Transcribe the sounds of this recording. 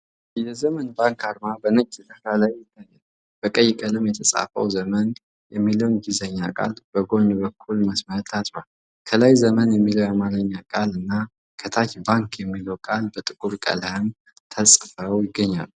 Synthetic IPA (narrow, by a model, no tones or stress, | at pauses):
jɛzəmənbaŋkʰaɾmabənət͡ʃʼːt̪əfalajːɪt̪ːajːɛd̪ | b̥əkʼəjɪkʼəlɨmjɛt̪ʰəsʼa̰fə̰wzəmən | jɛmːiləwnɡizəɲːakʼa̰lb̥əɡo̞ɲbəkʰːulməsmət̪ʰːasʼwal | kʰəlajzəmənjɛmːiləwjɛmaləɲːakʼalɨnːa | kʰət̪ʰat͡ʃbaŋkjɛmːiləwkʼalbət̪ʼɨkʼuɾkʼə̰ləhɨm | t̪ʰəsʼfəwjɪɡːəɲːa̰l